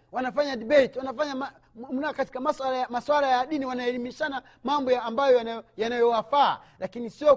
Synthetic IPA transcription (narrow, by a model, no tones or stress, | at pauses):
wanafaɲadiɓɛtiwanafaɲama | nakati̥kamaswalajamaswalajaɗiniwanaɛlimiʃana | mambɔjaːmbajɔjajanajɔwafa̰ː | lakinisiɔ